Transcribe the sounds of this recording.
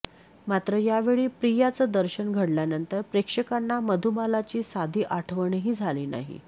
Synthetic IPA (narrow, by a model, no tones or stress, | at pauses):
mat̪ɾəjaʋeɭiːpɾijat͡səːd̪əɾɕənɡʱəɽljanənt̪əɾpɾekʂəkanːaməd̪ʱubalat͡ɕiːsad̪ʱiːʔaʈʰəʋəɳeɦiːd͡zʱaliːna̰ɦḭ